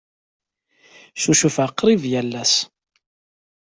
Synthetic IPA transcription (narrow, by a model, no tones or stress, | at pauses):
suʃufaqːɾˤivjælːæs